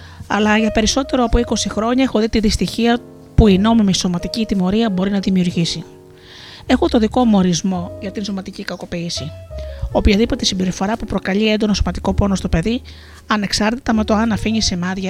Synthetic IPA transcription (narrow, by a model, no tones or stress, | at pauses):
ɐ̰lɐʝɐpe̞ɾiso̞t̪e̞ɾo̞ɐpoiko̞sixɾo̞ɲɐe̞xoðit̪iðist̪içiɐ | puino̞mimeso̞mɐt̪icit̪imo̞ɾiɐbo̞ɾinɐðimiuɾʝisi | e̞xut̪oðiko̞mo̞ɾizmo̞ʝɐt̪inso̞mɐt̪icikɐko̞piːsiopçɐðipo̞t̪e̞simbe̞ɾifo̞ɾɐpupɾo̞kɐʎie̞nd̪o̞noso̞mɐt̪i̥ko̞po̞no̞st̪o̞pe̞ði | ɐne̞ksɐɾt̪it̪ɐmet̪o̞ɐnɐfiɲisemɐðʝɐ